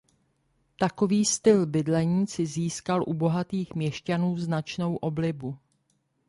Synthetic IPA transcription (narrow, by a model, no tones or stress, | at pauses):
t̪ako̞viːst̪ɪlbɪdlɛɲiːt͡sɪziːskalʔubo̞ɦat̪iːxmɲɛʃcanuːznat͡ʃno̞wʔo̞blɪbu